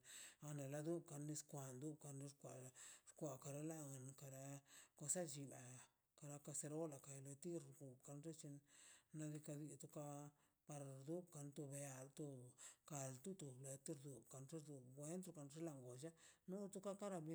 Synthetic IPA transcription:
a˧ne˨la˧d̪u˦bka˧nːi˧skʷa˨nd̪u˦b̚ka˧ni˧ɾkʷa˨˧ɾkʷa˨ka˨˧ɾa˧˦la˦a˨nka˨ɾa˦ko˧sa˦d͡ʒi˧ba˨ | ka˧ɾa˧ka˧se˧ɾo˦la˨ka˨jlo˧t̪i˦ɾɡu˨bka˧nʐe˦t͡ʃi˧nːa˧d̪i˧ka˧d̪i˧t̪u˧ka˧ | pa˧ɾa˨ɾd̪u˦bka˧nt̪u˧be˧a˧˨lt̪u˧ka˧lt̪u˦t̪u˨ble˨t̪i˦ɾd̪u˨bka˨nʐi˦ɾd̪u˨ɡwe˦nt̪ɾo˧ka˧nʐe˦la˨ŋɡo˨d͡ʒa˦nu˦t̪u˦ka˦ka˦ɾa˧b

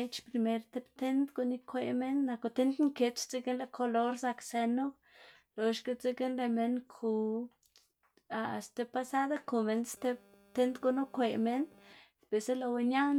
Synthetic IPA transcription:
e˧t͡ʃpɾi˧me˧ɾt̪e˧bt̪e˦nt̪ɡu˧ni˦kʷe˧me˦nːa˧ko˧t̪e˦nt̪ŋke˧t͡ʃt͡si˦ɡe˦nle˧kʰo˧lo˧ɾsa˧kse˧nu˦ | lo˨˧ʃɡe˧t͡se˦ɡe˦nle˧me˧nkʰu˧ | a˧˨st̪e˧pa˧sa˦d̪a˦ku˧˨me˧nst̪e˧ | t̪e˦nt̪ɡu˧nu˦kʷe˧me˧n | pe˨se˦lo˧we˧nja˦

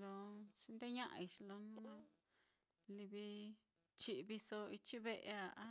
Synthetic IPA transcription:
lo˧ʃĩ˧nd̪e˦ɲã˦ʔã̰˧i˧ʃi˧lo˧nũ˦ | li˧βi˧ | t͡ʃi˧ʔβi˧so˧i˧t͡ʃi˦βe˧ʔe˧a˨ʔa˦

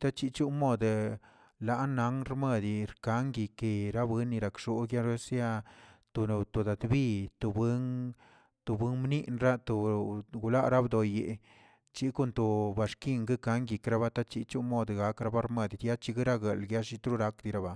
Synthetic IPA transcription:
t̪a˦t͡ʃi˦t͡ʃu˦mo˦˧d̪ | la˦ʔna˨˦ŋɾme˦˧d̪i˨ɾka˦ŋɡi˨ke˨˧ɾa˦bwɨ˦nːi˧ɾa˨kʂu˦ɡja˦ɾe˦sa˦t̪o˨na˧˨t̪o˨d̪a˨d̪bi˦t̪o˨be˦ŋ | t̪o˨bwɨ˦ŋmni˦ʔnɾa˦t̪o˨ɡu˨la˦ʔɾa˦bd̪o˨je˨ | t͡ʃi˦ko˦˧nt̪o˨ba˨ʂki˦˧ŋɡɨ˦ka˦ŋɡi˨kɾa˦βa˦t̪a˦t͡ʃi˧t͡ʃu˦mo˦d̪ɡa˨kɾa˧ba˦ɾme˧d̪i˧d̪ja˦t͡ʃi˧ɡɨ˦ɾa˦ɡe˨lɡja˦ʃi˧t̪ɾu˦ɾa˦kd̪i˧ɾa˧ba˨

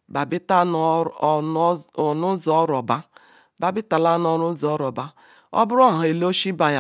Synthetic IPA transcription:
ba˨bi˦ta˦n˨˦˨ | nu˦zɔ˦ɾɔ˨ba˦ | ba˨bi˦ta˨la˦n˦ɔ˨ɾu˦zɔ˦ɾɔ˨ba˦ | ɔ̰˦bʊ˦ɾɔ˦˨ɦa˨e˨lo˦ʃi˦ba˨ja˨

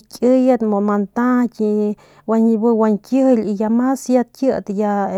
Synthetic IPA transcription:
kʲʼɨ˦jat̪mo˨ma˧nt̪ã˦ki | wa˧nbɨwa˧ŋkjəhli˧ja˧ma˦sja˧t̪̚kjə˦t̪ja

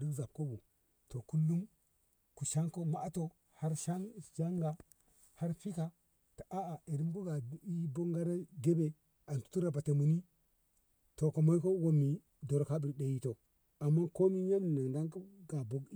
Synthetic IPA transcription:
ɾi˦kza˨p̚ko˦bu˨ | to˨ku˦lːu˦m | ku˨ʃa˦ŋko˦ma˦ʔto˨ | ha˦ɾʃa˦ŋd͡ʒa˦ŋɡa˨ | ha˦ɾfi˦ka˨ | ta˨ʔa˦a˨e˨ɾi˦mko˦ɡa˨i˦bo˦ŋɡa˦ɾa˦ɡe˦be˨ | a˨ntu̥˦tu˦ɾa˨ba˨ta˨mu˨ni˦ | to˨ko˨mo˦jko˦wo˦mi˨ | do˨ɾka˦bi˨ɾɗe˨ji˦to˨ | a˨mːa˦ko˦mi˦ɲa˦mi˨na˨ŋda˦ŋkɡa˨bo˦ɡ

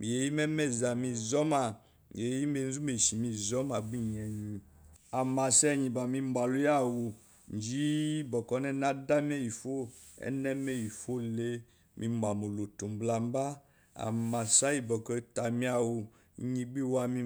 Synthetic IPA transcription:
mi˨je˨˦ji˦mɛ˦mɛ˦˨za˨mĩ˧zɔ˦ma˨ | mḭ˨e˨˦i˦me˧˨n̩˦zu˦me˨ʃi˨mi˧zɔ˨˦ma˨ɡ͡bi˦ɲɛ˨ɲĩ˨ | a˨ma˨sɛ˦˨ɲĩ˨ba˨mĩ˧mba˨lu˦ja˦˨wo˨ | n˨d͡ʒi˦bɔ˨kɔ˨˦nɛ˦˨na˦da˦m˦ɛ˦˨ji˨fo˦ | ɛ̰˦nɛ˦mɛ˦˨ji˨fo˦le˦ | mʔĩ˧ma˨mo˨lo˨to˨m˨bla˨m˦ba˦ | a̰˨ma˨sa˦ji˦bɔ˨kɔ˦ta˨mĩ˦a˨wo˨˦ | ɲi˧ɡ͡bi˦wa˧mi˧

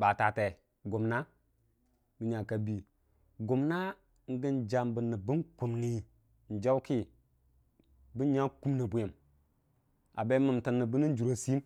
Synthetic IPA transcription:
ba˨ta˨te˨ | ɡu˨mna˦ | bɨ˦ɲa˨ka˨bi˨ | ɡu˨mna˦ | ŋ̩˦ɡə˦nd͡ʒa˨mbə˨nːə˨bɨ˦nku˨mni˨ | n̩˨d͡ʒa˦ki˦ | bi˦ɲa˦ku˦mni˨bu˨ji˨m | a̰˨be˦mə˨mtə˨nːə˨bɨ˦ni˦n˦d͡ʒu˨ɾo˨˦si˦m

